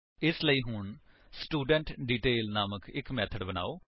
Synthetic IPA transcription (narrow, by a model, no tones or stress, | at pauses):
ɪsləiːɦʊɳ | sʈuːɖə̃ɳʈɖiːʈeːlnaːməkɪkmɛːt̪ʰəɖbəna̰ːoː